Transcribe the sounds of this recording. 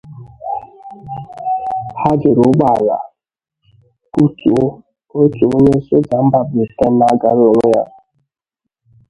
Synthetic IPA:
ha˦d͡ʒɪ˨ɾʊ˨˦ɡ͡ba˨la̰˨ | ku˦tu˨˦ | o˦t͡ʃu˨o˦ɲe˦so˦d͡ʒa˨m̩˦ba˨bi˨te˦na˨˦ɡa˨lo˦ɾo˦ja˦

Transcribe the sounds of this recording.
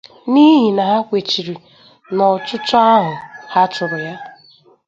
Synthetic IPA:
ni˦ɦi˨na˨ɦa˦kʷe˨t͡ʃi˨ɾi˨ | nɔ˨t͡ʃʊ˦t͡ʃɔ˦a˦ɦʊ˨ha˦t͡ʃʊ˨ɾʊ˨ja˦

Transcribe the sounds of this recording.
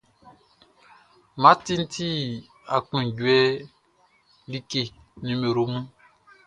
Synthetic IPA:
mã˨˦tĩ˦n̩˦tʰi˦ | a˨kũ˨ɟwɛ˦ | li˦ke˨ | nĩ˨me˨ɾo˨mũ˦

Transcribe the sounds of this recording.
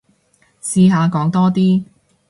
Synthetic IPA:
siː˧ɦaː˨˧kɔː˨˥ŋt̪ɔː˥t̪iː˥

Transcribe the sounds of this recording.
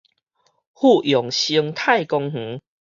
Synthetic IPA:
hu˥˧jɔ˨˩ŋɕi˧əŋt̪ʰa˥˧˨jkɔ˧ŋh̩˨˦

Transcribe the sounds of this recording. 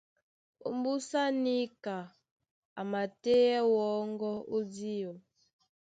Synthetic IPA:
ṵ˦mbu˦sa˦ni˦ka˨ | a˨ma˨te˦ɛ˦wɔ˨˦ŋɡɔ˦u˦di˦ɔ˨

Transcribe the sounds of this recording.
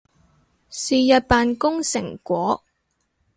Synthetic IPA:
siː˨jɐ˨t̚paː˨nkʊ˥ŋsɪ˨˩ŋkʷɔː˨˥

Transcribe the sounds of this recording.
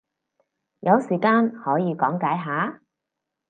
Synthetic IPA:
jɐ˨˧wsiː˨˩kaː˥nhɔː˨˥jiː˨˧kɔː˨˥ŋkaː˨˥jɦaː˨˧˥

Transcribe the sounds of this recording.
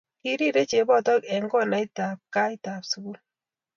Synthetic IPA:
ki˦ɾi˦ɾe˦t͡ʃe˨˦bɔ˦˨tɔ˦kɛ˨ŋɡɔ˦˨na˨˦i˦ta˨p̚ka˦i˦ta˨psu˦ku˦l

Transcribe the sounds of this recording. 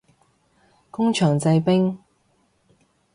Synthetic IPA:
kʊ˥ŋt͡ʃʰœː˨˩ŋt͡sɐ˧jpɪ˥ŋ

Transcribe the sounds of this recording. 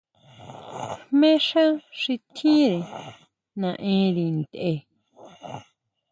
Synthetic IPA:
mẽ˦ʂã˦ʂi˧t̪ʰĩ˦ɾe˨ | nã˨ʔẽ˦ɾi˧˨nd̪e˧˨

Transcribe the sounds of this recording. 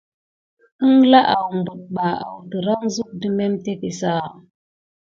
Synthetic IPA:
ə˦ŋla˦ʔa˨wmbu˨ɗ̚ɓa˨a̰˨wdə˨ɾa˦ŋzu˦k̚də˦me˦mte˦ke˨sa˦˨

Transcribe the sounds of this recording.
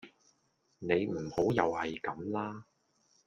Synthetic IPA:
ne˨˧jm̩˨˩ho˨˥wjɐ˨whɐ˨jkɐ˨˧˥mlaː˥

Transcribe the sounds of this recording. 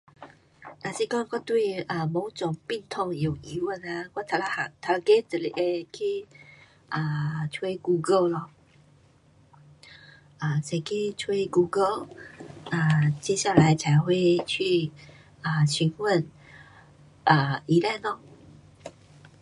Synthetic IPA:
na˨˩si˥˧kɔ̃˥˦˨kɔ˥˧t̪we˥˧ɪʔə˨˩mo˨˦t͡sʊ˨˩ŋpi˥˧ŋt̪ʰɔ˥˧ŋjo˨˩ʊi˨˧˦wə˥˧nə˧kwa˥˦t̪ʰa˨˧la˧a˨˩ŋt̪ʰa˧la˧ke˥˦t͡sə˨˩lḭ˧˩ʔe˧kʰe˥˦ | ʔə˨˩t͡sʰwe˥ɡu˧ɡə˥˧˩llɔ˧ | ʔə˨˩sʰa˨˩ɪke˥˦t͡sʰwe˥˦ɡu˧ɡə˥˨lʔə˨˩t͡ɕjɛ˥ɕja˥˩la˨˧˦ɪt͡sʰa˨˦ɪxwe˥˧ɪt͡ɕʰy˥˩ | ə˩ɕy˨˦nhwə˥˨n | ʔə˨˩i˧˦la˥˧˨ɪlɔ˧˦

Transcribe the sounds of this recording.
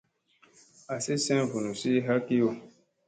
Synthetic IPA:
a˨si˦sɛ̃˦vu˨nu˨si˦ɦa˦ki˦o˨

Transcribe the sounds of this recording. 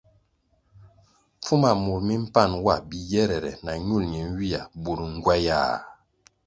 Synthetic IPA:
p͡fu˦ma˨mu˨ɾmi˦m̩˦pa˦˨nwa˦˨bi˨jɛ˦ɾɛ˨ɾɛ̰˨na˨ɲu˦˨lɲi˨n˦wi˦a˨bu˨ɾu˨ŋ̩˦ɡwa˦ja̰˦˨

